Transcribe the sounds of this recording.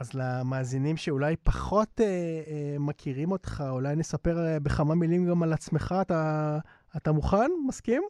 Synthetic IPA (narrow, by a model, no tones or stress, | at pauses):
azlamaːzinimʃe̞ulajpaχo̞temakʰiʁimo̞tχaulajne̞sape̞ʁbeχamamilimɡamalat͡smeχaːtaː | tamuχanmaskim